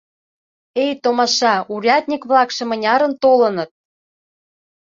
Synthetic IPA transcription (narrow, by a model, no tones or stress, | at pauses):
ejt̪omɑʃɑuɾʲɑt̪ʲnʲikβlɑkʃɤ̆mɤ̆nʲɑɾə̆nt̪olɤ̆nɤ̆t̪̚